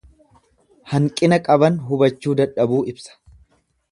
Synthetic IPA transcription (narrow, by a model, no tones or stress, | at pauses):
hɐŋkʼɪnɐkʼɐbɐnɦʊbɐt͡ʃːuːd̪ɐᶑɐbuːɪbsɐ̥